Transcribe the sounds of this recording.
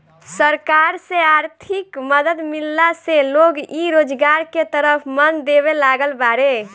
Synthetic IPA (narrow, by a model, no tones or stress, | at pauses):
səɾkaɾseaɾt̪ʰikməd̪əd̪milːaseloɡiɾod͡ʒɡaɾket̪əɾəpʰmənd̪eβelaɡəlbaɾe